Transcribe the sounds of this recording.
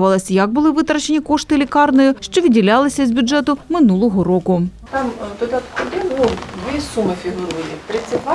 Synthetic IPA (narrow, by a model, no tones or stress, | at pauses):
ʋɐlˠɐsʲjɐɡ̚bʊlˠɪʋɪt̪ɾɐt͡ʃenʲikɔʂt̪ɪlʲɪkɑrnɔjʊʃt͡ʃɔʋʲidʲilʲɑlˠɪsʲɐzʲbʲʊdʐɛt̪ʊmɪnulˠɔɦɔɾɔkʊt̪ɑmt̪ɔd̪ɪt̪kɔd̪ɪnud̪ʋʲisumɪfʲiɦlˠʊjʲit̪ɾɪt͡sʲːɐtʲʋa